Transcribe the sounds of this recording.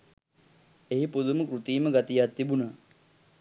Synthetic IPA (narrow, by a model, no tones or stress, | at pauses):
eɦipud̪uməkɾut̪iːməɡat̪ijat̪ːibunə